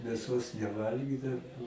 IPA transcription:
mʲeːˈsoːs nʲɛˈʋɐlʲɡʲiːdɐʊ

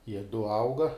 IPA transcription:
jiɛ dʊ ˈɐʊɡɐ

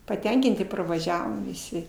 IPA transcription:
pɐˈtʲɛŋʲkʲɪnʲtʲɪ pɐrʋɐˈʒʲæːʋoːm ʋʲɪˈsʲɪ

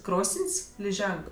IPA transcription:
ˈkroːsənʲsʲ lʲɪˈʒʲɛŋk

